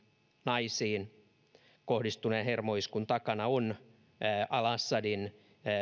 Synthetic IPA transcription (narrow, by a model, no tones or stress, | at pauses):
nɑisiːn | kohdist̪unenhermoiskunt̪ɑkɑnɑon | ʔɑlɑsːɑdin